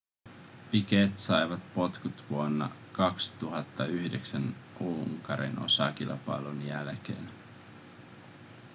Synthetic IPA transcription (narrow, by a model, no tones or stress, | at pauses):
piket̪sɑjʋɑt̪po̞t̪kut̪ʋuonːɑ̰ | kɑkst̪uɦɑt̪ːɑyhdeksænʔuŋkɑɾḭnʔo̞̰sɑ̰kilpɑjlunjælk̟ḛːn